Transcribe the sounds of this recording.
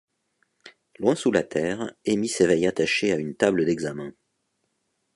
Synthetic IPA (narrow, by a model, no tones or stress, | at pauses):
lwɛ̃sulat̪ʰɛːʁemisevɛjat̪aʃeaynt̪abləd̪ɛɡzamɛ̃